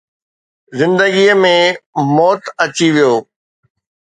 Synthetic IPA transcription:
zɪ̃nd̪əɡiəmẽmɔːt̪ɐt͡ɕiʋijoː

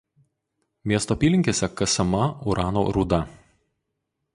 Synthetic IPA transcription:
mʲiɛst̪oːpʲiːlʲɪŋʲkʲeːsʲɛkɐsɐmɐʊɾʔɑːno̰ːɾʊd̪ɐ

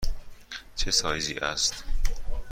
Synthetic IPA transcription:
t͡ʃʰesɒːjziːʔæ̰st̪

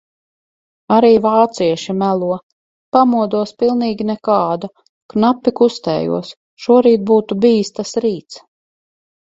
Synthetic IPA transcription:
aɾiːvaːt̪siɛʃimælˠuɔ | pamuɔd̪uɔspilˠniːɡʲinɛkaːd̪a | knapːikust̪ɛ̰ːjṵɔs | ʃuɔɾiːt̪̚buːt̪ubiːst̪asɾiːt̪s

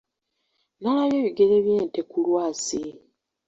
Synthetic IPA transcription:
nalaβjeːβiɡeɾeβjeːntekulwaːsi

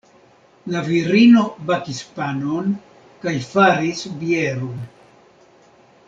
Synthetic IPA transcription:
laviɾino̞bakispanon | kajfaɾisbieɾon

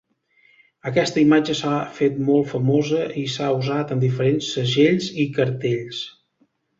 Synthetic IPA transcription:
əkɛst̪əimad͡ʒəsafet̪̚mɔlˠt̪fəmozəisauzat̪ənd̪ifəɾensːəʒeʎzikəɾt̪eʎs

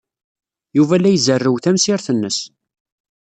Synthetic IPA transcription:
juvælːæjzərːəwθæmsɪɾθənːəs

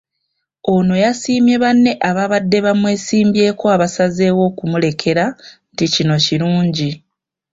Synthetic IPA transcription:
o̞no̞jasiːmje̞βanːe̞ʔaβaβadːe̞βamwe̞ːsiːmbje̞ːko̞aβasaze̞wo̞ːkumule̞kʰe̞ɾanticino̞ciɾuːɲɟi

